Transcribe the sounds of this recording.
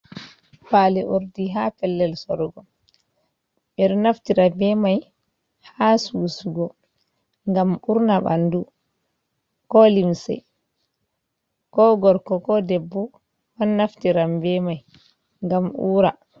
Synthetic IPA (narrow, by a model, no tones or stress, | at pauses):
palɛʔoɾdiɦapɛlːɛlsɔɾɡɔ | ɓɛɾnaftiɾabɛmaj | hasusuɡɔ | ŋɡamuɾnaɓa̰ndu | kɔlimsɛ̰ | kɔɡɔɾkɔkɔdɛbːɔ | wanːaftiɾambɛmaj | ŋɡamʔuːɾa